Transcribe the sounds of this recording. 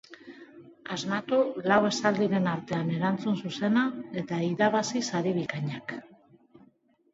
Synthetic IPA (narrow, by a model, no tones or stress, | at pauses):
azmat̪ulawe̞sald̪iɾe̞naɾt̪e̞ane̞ɾant͡sunsuse̞nae̞t̪aiðaβasisaɾiβ̞ikaɲak